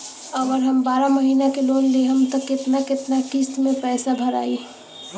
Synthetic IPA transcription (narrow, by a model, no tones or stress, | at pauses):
əʋəɾɦɐmbaːɾaməɦiːnakeloːnleɦɐmt̪əkːɪt̪nakɪt̪nakist̪mẽpɛːsabʱɐɾa̰ːi